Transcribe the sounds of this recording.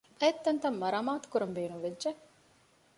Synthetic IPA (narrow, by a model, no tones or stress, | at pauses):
ɐet̪ːɐnt̪ɐmːɐɾaːmaːt̪u̥kuɾɐmbeːnumʋedd͡ʒe